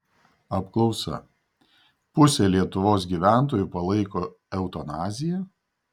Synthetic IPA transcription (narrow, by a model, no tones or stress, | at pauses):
ɐpklˠɒʊsɐ̰ | pʊsʲɛlʲiɛt̪ʊʋoːs̬ɡʲiːˑʋʲæˑnˑt̪oːjupɐlˠɐɪkoː | ɛʊt̪ɔnɑːzʲɪjɛ